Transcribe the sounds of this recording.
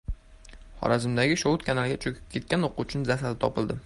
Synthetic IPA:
χɒ̰ɾazɪmd̪aɡʲɪʃoʊt̪kʰʲanalɡʲat͡ʃʰɵkʲʰɪ̥p̚kʰʲe̞t̪̚kʲanoqut͡ʃʰɪnɪzasalɪt̪ʰɒpɪlˠd̪ɪ

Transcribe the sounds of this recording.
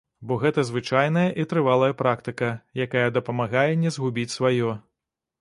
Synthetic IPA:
bɔɣɛt̪ɐzvɨt͡ʂajnɐjɐʔit̪ɾɨvalˠɐjɐpɾakt̪ɨkɐjakajɐd̪ɐpɐmaɣajɛnʲɛzɣubʲit͡sʲsvajɔ

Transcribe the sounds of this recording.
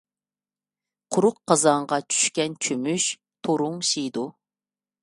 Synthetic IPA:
qʰʊɾʊqːɑzɑɴʁɑt͡ʃʰy̥ʃkʲɛnt͡ʃʰømyʃ | t̪ʰoɾʊŋʃijd̪u

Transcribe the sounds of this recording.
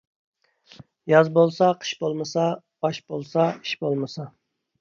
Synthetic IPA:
jɑzbolˠsɑqʰə̥ʃbolˠmɨsɑ | bɑʃbolˠsɑi̥ʃbolˠmɨsɑ

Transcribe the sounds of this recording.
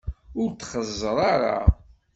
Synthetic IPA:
ʊɾt̪χəzˤːəɾˤɑɾˤa̰

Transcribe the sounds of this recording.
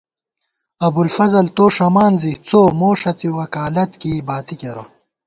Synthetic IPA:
ɐbulfɐzɐlt̪oːʂɐmaːnziht͡soːmoːʂɐt͡siwɐkaːlɐt̪kiːbaːt̪ikeɾo

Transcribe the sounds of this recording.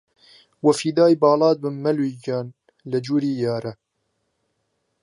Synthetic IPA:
wɐfiːd̪aːjbɑːlɑːd̪̚bənmɐlwid͡ʒaːn | lɐd͡ʒuɾiːjaːɾɐ

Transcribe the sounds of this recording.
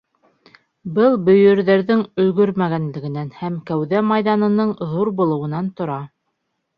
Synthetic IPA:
bɤlˠbɵ̆jɵ̆ɾðæɾðɘŋɵ̆lɡɵɾmæɣænlɘ̆ɡɘ̆nænhæmkæwðæmɑjðɑnɤ̆nɤɴðuɾbŭlˠɤ̆wɤ̆nɑnt̪ŏɾɑ

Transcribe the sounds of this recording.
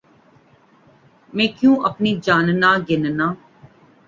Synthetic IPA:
mɛ̃ːkjũːʔəpniːd͡ʒaːnnaːɡɪnnaː

